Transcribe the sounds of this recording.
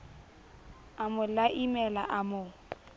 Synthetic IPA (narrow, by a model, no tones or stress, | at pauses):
amʊlaʔimɛla̰ʔamʊ